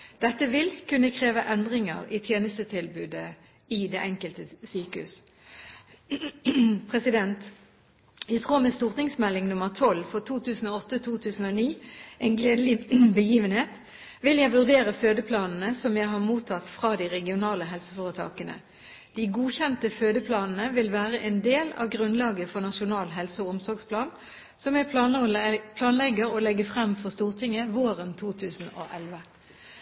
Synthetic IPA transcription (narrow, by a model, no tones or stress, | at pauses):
d̪̥ɛt̪ːəʋɪlkʉnːəkʰʁeːʋəʔɛnd̪ʁɪŋə̰ʁɪt̪ʰjeːnəst̪ət̪ʰɪlbʉːd̪ə | ɪd̪eːʔɛŋkəlt̪əsyːkəhʉ̰s | pʰʁɛsɪd̪ɛnt̪ | jæɪt̪ʰʁuːʁmɛst̪uːʁt̪ɪŋsmɛlːɪŋnʊməʁt̪ʰɔlfɔʁt̪ʰuːt̪ʰʉːsn̩oːɔt̪ːət̪ʰuːt̪ʰʉːsn̩oːniːeːnɡleːd̪əlɪbəjiːʋənheːt̪ | ʋɪljæɪʋʉʁd̪eːʁəføːd̪əpʰlɑːnn̩əsɔmjæɪɦɑʁmuːt̪ʰɑt̪fʁɑːd̪iʁɛɡɪʊnɑːləɦɛlsə̥foːʁət̪ʰɑ̰ːkənə̰ | d̪̥iːɡuːçɛnt̪əføːd̪əpʰlɑːnn̩əʋɪlʋæːʁəʔeːnd̪eːlɑ̰ʋɡʁʉnlɑːɡəfɔʁnɑʃʊnɑːlɦɛlsəɔʊmsɔʁɡspʰlɑːn | sɔmjæɪpʰ | pʰlɑːnlɛɡəʁoːlɛɡəfʁɛmfɔʁst̪uːʁt̪ʰɪŋəʋoːʁənt̪ʰuːt̪ʰʉːsn̩o̰ːʔɛlʋə